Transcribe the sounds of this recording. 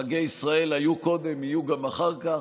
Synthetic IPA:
aɡe̞jisʁae̞lajuko̞d̪e̞mijuɡamaχaʁka

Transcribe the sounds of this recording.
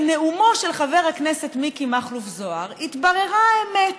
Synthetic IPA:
ne̞umo̞ʃe̞lχave̞ʁhaknese̞t̪mikimaχlufzo̞aʁit̪baʁe̞ʁaemet

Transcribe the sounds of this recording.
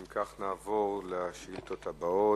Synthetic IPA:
mkʰaχnaːvo̞ʁleʃilt̪o̞t̪abao

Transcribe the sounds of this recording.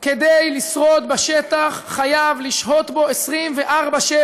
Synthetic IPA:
ked̪ejlisʁo̞t̪baʃet̪aχːajavliʃho̞t̪bo̞esʁimveʔaʁbaʃe

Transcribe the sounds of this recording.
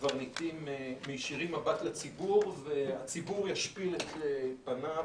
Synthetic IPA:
vaʁnit̪imːejʃiʁimːabat̪lat͡sibuʁveat͡sibuʁjaʃpilet̪eb̥ana

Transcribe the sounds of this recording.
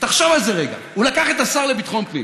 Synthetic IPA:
t̪aχʃavalzeʁeɡa̰ulakaχet̪asaʁle̞bit̪χomklḭ

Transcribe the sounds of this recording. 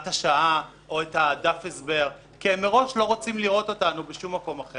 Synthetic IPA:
taʃaʔa | ʔo̞ethadafesbe̞ʁ | kiemːeʁo̞ʃlo̞ʁot͡simliʁo̞to̞tanubeʃumːako̞maχe

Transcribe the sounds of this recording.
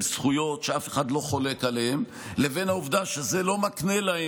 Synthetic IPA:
msχujo̞tʃeafeχad̪lo̞χo̞lekalehem | leve̞nhauvd̪aʃezelo̞maknelahe

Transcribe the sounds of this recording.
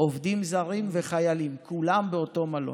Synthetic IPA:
ʔovd̪imzaʁimveχajalimkʰulambeo̞to̞malo̰

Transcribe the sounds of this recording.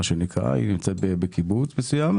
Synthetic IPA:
aʃenikʁa̰ḭnimt͡set̪̚bebekibut͡smesujam

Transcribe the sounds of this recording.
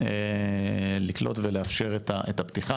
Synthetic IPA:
e | liklo̞tveleafʃe̞ʁetaʔetapt̪iχa

